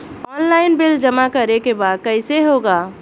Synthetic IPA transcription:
ɔːnlaːɪnbɪld͡ʒɐmakɐɾekebaːd̪̚kɛɪseɦoːɡaː

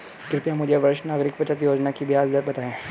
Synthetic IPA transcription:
kɾɪt̪jamʊd͡ʒʱeʋɐɾɪʃnaːɣɾɪkbɐt͡ʃat̪̬ijoːd͡ʒnakibjaːzd̪əɾbɐt̪aːẽː

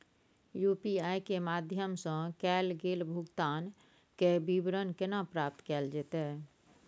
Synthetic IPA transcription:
jupiaːjkemad̪ʱjəmsə̃kɛːlɡeːlbʱuɡt̪aːn | kebibɾənkenapɾaːp̚t̪kɛːld͡ʒeːt̪ɛː

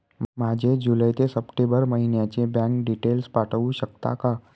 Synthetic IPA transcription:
mad͡ʑed͡ʑuləjt̪esəpʈebəɾməɦinjat͡ɕebɛ̃ŋkɖiʈelspaʈʰəʋũɕək̚t̪a̰ka

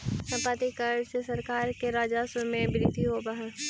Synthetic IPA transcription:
sɐ̃paːt̪ikəɾsesɐɾkaːɾkeɾaːd͡ʒaːsəmẽbɾit̪iɦobaɦɛ̃

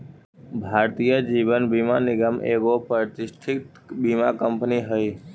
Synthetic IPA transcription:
bʱaːɾt̪ijəd͡ʒiːʋənbimanɪɡəmʔeːɡopət̪ɪsʈʰɪkt̪ | biːmakəmpniɦəiː

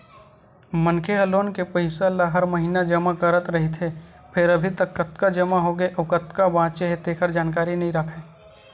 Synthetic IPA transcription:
mənkʰeɦɐloːnkepɐɦɪsalaɦɐɾmɐɦiːnad͡ʒɐmakəɾət̪ɾɐɦit̪ʰe | pʰɪɾɐbʱit̪ɐkːɐt̪kad͡ʒɐmaɦoːɡeʔokət̪kabãːt͡ʃeɦet̪eːkʰəɾd͡ʒaːnk̬aːɾinɐɦĩɾəkʰeː

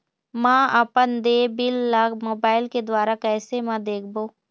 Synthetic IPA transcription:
mãːɐpənd̪eːbɪlːɐɡmoːbaːɪlked̪waːɾakɛːsemãd̪eːkʰboː

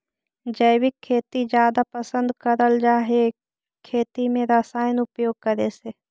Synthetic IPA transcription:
d͡ʒəɪwɪkʰːeːt̪id͡ʒjaːd̪apəsə̃nd̪kəɾəld͡ʒaːɦe | kʰːeːt̪imẽɾasaːjənʊpjoːɡ̚kəɾese

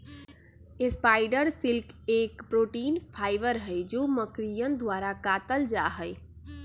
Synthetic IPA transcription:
espaɪɖəɾsɪlkekpɾoʈiːnpʰaːɪʋəɾɦəjd͡ʒoməkɾijənd̪wʋaɾakat̪əld͡ʒaɦəɪ

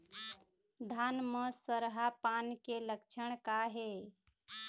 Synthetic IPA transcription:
d̪ʱanməsəɾɦapankeləkt͡ʃʰəɳ̃kaɦe

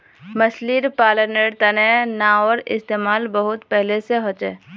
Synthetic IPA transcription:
məsliːɾpaːləneːɽt̪ɐnɛnaɔːɾɪ̰st̪eːmaːlbəɦʊt̪pɛɦleseɦot͡ʃḛː

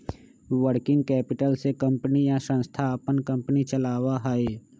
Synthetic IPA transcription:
ʋəɾkɪ̃ŋɡkɛːpɪʈəlsekə̃mpənijasə̃nst̪ʰaəpənkə̃mpənit͡ʃəlaːwaɦaeː

